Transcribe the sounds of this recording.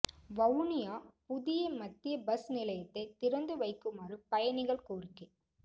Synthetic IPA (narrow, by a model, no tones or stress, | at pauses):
ʋɐwnɪjaːpʊðɪjɐmɐt̪ːɪjɐbɐsnɪlɐjɐt̪ːɐɪt̪ɪɾɐnd̪ɯʋɐɪkːɯmaːrɯpɐjɐnɪɣɐɭkoːrɪkːɯ